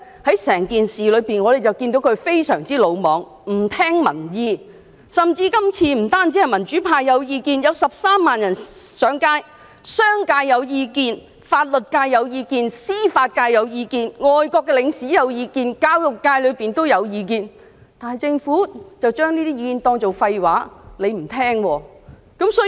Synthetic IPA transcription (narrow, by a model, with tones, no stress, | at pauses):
hɐ˨˥jsɛː˨˩ŋkiː˨nsiː˨lɵ˨˧ɥpiː˨˩nŋɔː˨˧ɾe˨˩jt͡sɐ˨wkiː˧nt̪o˨˥wkʰɵ˨˧ɥfe˥jsœ̰ː˨˩ŋt͡siː˥lo˨˧wmɔː˨˧ŋ | m̩˨˩t̪ʰɛː˥ŋmɐ̰˨˩njiː˨˧ | sɐ˨mt͡siː˧kɐ˥mt͡sʰiː˧m̩˨˩t̪aː˥nt͡si˨˥hɐ˨jmɐ˨˩nt͡ʃyː˨˥pʰaː˧jːɐ˨˧wjiː˧kiː˧njɐ˨˧wsɐ˨p̚saː˥mːaː˨njɐ˨˩nsœː˨˥ŋkaː˥j | sœː˥ŋkaː˧jːɐ˨˧wjiː˧kiː˧n | faː˧t̚lɵ˨t̚kaː˧jːɐ˨˧wjiː˧kiː˧nsiː˥faː˧t̚kaː˧jːɐ˨˧wjiː˧kiː˧nŋɔː˨jkɔː˧kːɛ˧lɪ˨˧ŋsiː˨˥jɐ˨˧wjiː˧kiː˧nkaː˧˥wjʊ˨kːaː˧jlɵ˨˧ɥpiː˨nt̪o˥wjɐ˨˧wjiː˨˧k̬iː˧n | t̪aː˨nhɐ˨jt͡sɪ˧ŋfuː˨˥t͡sɐ˨wt͡ʃœː˥ŋniː˥t̪i˥jiː˧kiː˧nt̪ɔː˧ŋt͡so˨˩wfɐ˧jwaː˨˥le˨˧jm̩˨˩t̪ʰɛː˥ŋwɔː˧ | kɐ˨˥msɔː˨˥